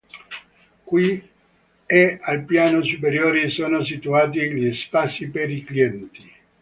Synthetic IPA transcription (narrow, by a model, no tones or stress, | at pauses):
kwi | ealpjaːnosupeɾjoːɾisoːnosit̪uaːt̪̬iʎispasipeɾikliɛnt̪i